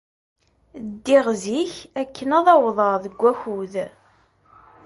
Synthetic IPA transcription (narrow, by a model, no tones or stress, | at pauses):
d̪ːiʁziçækːənɑðˤɑwðˤəʁðəɡʷːæçuð